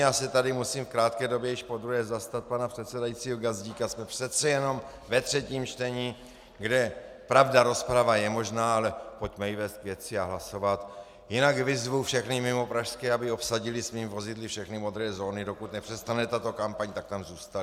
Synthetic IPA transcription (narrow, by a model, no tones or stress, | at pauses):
jaːsɛt̪adɪmusiːmfkɾaːt̪kɛːdo̞bjɛjɪʃpo̞d̪ɾuɦɛːzast̪at̪̚panapr̥ɛt̪sɛdajitt͡siːɦoɡazɟiːkasmɛpr̥ɛt̪t͡sɛjɛno̞m | vɛt̪r̝̥ɛciːmt͡ʃt̪ɛɲiː | ɡdɛ | pɾavdaɾo̞spɾavajɛmo̞ʒnaːalɛpo̞cmɛjɪvɛːst̪kvjɛt͡sɪaɦlaso̞vat̪ | jɪnaɡvɪzvuwfʃɛxnɪmɪmo̞pɾaʃskɛːabɪo̞psaɟɪlɪsviːmvo̞zɪdlɪfʃɛxnɪmo̞d̪ɾɛːzo̞ːnɪdo̞kut̪nɛpr̥ɛst̪avnɛt̪at̪o̞kampaɲt̪ak̚t̪amzuːst̪al